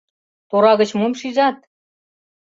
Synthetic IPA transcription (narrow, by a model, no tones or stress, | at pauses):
t̪oɾɑɣə̆t͡ɕmomʃiʒɑt̪̚